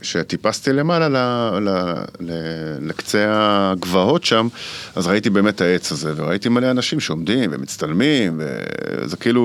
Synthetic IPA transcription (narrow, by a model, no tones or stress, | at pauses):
ʃe̞t̪ipast̪ile̞malalalalelekt͡seaɡvaho̞tʃamazʁaitibe̞ːme̞tae̞t͡saze̞veʁaitimaleanaʃimʃeomdimvḛmit͡st̪almimvḛzekeilu